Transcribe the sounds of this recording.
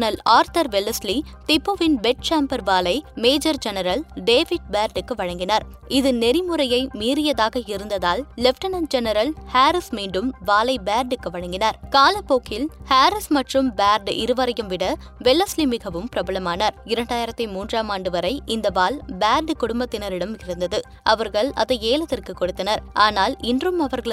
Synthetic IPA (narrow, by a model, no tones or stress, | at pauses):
nɐlaːɾt̪ɐɾʋɛlːɐslit̪ɪpːɯʋɪnbɛʈ̚t͡ʃaːmpɐɾʋaːlɐɪmeːd͡ʒɐɾd͡ʒɛnɐɾɐlɖeːʋɪɖ̚baːɾɖɯkːɯʋɐɻɐŋɡɪnaːɾ | ɪðɯnɛɾɪmɯɾɐjɐɪmiːɾɪjɐðaːɣɐɪɾɯnd̪ɐðaːlːɛfʈɐnɐnd͡ʒɛnɐɾɐlhaːɾɪsmiːɳɖɯmʋaːlɐɪbaːɾɖɯkːɯʋɐɻɐŋɡɪnaːɾkaːlɐpːoːkːɪlhaːɾɪsmɐʈrɯmbaːɾɖɪ̰ɾɯʋɐɾɐjɯmʋɪɽɐ | ʋɛɭːɐslimɪɣɐʋɯmpɪɾɐbɐlɐmaːnɐɾɪɾɐɳɖaːjɪɾɐt̪ːimuːndraːmaːɳɖɯʋɐɾɐɪʔɪnd̪ɐʋaːlbaːɾɖkʊɽʊmbɐt̪ːɪnɐɾɪɽɐmɪɾɯnd̪ɐðɯ | ʔɐʋɐɾɣɐɭɐ̰ðɐeːlɐt̪ːɪrkɯkːɔɽɯt̪ːɐnɐɾʔaːnaːlɪndrɯmɐʋɐɾɣɐɭ